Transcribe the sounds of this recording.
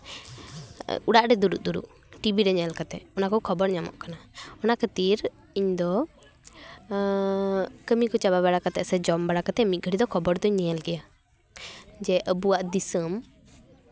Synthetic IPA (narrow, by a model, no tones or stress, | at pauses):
uɽaʔɖɛd̪uɾuʔd̪uɾṵʔ | ʈibiɾɛɲɛlkat̪ɛɔnakɔkʰɔbɔɽɲamɔ̰ʔkanaɔnakʰət̪iɾ | iɲd̪ɔ | kəmikɔt͡ʃabaβɛɽakat̪ɛʔsɛd͡ʒɔmbaɽakat̪ɛmit̪̚ˀɡʱəɽid̪ɔkʰɔbɔɽd̪ɔiɲɛalɡɛja | d͡ʒɛʔəbuwaʔd̪isəm